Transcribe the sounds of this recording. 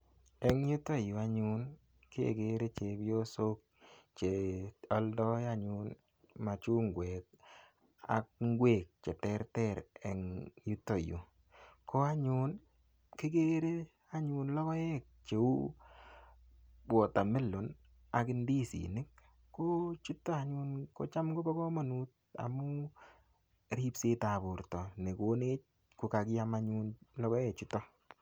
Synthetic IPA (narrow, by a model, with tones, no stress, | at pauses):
ɛ˨ŋju˦to˦ju˨a˨ɲu˨n | ke˦ḛ˨ɡe˨˦ɾe˦t͡ʃe˨bjo˦so˦k̚ | t͡ʃe˨ɔ˦ldɔ˦ja˦ɲʊ˨n | ma˨t͡ʃu˦ŋɡwe˨k̚ | a̰˨k̚ŋ˦ɡwe˨k̚t͡ʃɛ˨tɛ˦ɾtɛ˦ɾɛ˨ŋju˦to˨jṵ˨ | kɔ˦a˦ɲu˦n | kɪ˦ɡe˦ɾe˦ | a˦ɲunlɔ˦kɔ˦jɛ˦k̚t͡ʃe˨u˦ | bɔ˨ta˨mɪ˦lʊ˨n | a˨kɪ˦ndi˦sḭ˨nɪ˦kː | o˦t͡ʃu˦tːɔ˦a˨ɲu˦nko̰˨t͡ʃa˦mɡo˦bɔ˦kɔ˦mɔ˨nu˦t̚ | a̰˨mʊ˦ | ɾi˦pse˦ta˨bʊ˨ɾtɔ˨ne˨ko˦ne˦t͡ʃ̚ | ku˨ka˨kɪ˦ja˦maɲunlɔ˦kɔ˦jɛ˦t͡ʃu˦tɔ˦